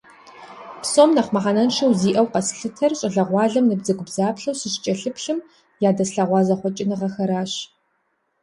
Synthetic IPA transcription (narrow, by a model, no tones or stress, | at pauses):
psomnɐχʷmɐħanɐnʃɐwziːʔɐwqɐsɬɨtʰɐrɕʼɪɮɐʁʷɑːɮɐmnɨbzɐɡʷʼʊbzaːpɬɐwsɨɕt͡ʃʼɐɬɨpɬɨm | jaːdɐsɬɐʁʷɑːzɐχʷɔt͡ʃʼɪnɨʁɐxɐɾaːɕ